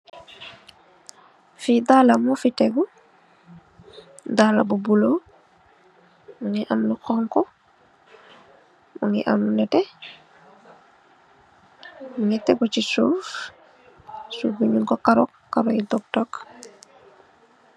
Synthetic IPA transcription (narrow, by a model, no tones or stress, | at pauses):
fidaːlamɔfitɛɡu | dalabubulo | muŋiʔɐmluxɔŋkɔ | muŋḭʔa̰mlunɛtɛ | muŋɡitɛɡut͡ʃisuːf | subuɲunkɔkaɾɔkːaɾɔjidɔk̚tɔk